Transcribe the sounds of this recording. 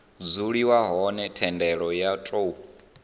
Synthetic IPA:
d͡zuɺiwaɦɔnɛtʰɛndɛɺɔjatʼou

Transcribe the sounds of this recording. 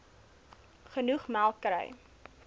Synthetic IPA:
χənuχmælˠkɾə̰j

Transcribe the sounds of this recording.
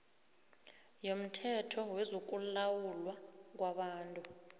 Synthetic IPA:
jom̩tʰɛtʰɔwɛzok̬ʼullawulwak̬waɓaːntʼu

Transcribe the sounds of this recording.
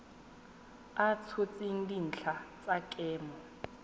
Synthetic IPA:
at͡sʰot͡sʼiŋ̩din̩t͡ɬʰat͡sʼakʼɛːmɔ

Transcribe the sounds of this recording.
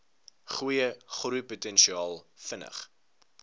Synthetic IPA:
χujəχrujputɛnʃiɑːlˠfənə̰χ

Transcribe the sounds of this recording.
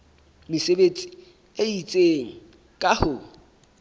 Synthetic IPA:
mɪsebet͡sʼi̥ | eit͡sʼeŋ̩ | kʼahʊ

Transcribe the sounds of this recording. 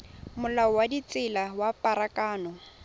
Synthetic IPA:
mʊlaɔwadit͡sʼɪlawapʼaɾakʼaːnɔ

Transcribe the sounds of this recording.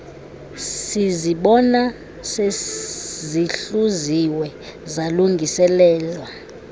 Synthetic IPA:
siziɓɔna | se | ziɬuziwɛzaluŋɡʱisɛlɛːlwa

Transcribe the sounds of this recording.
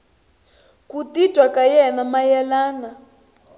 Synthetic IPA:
kutitwakajɛnamajɛlaːna

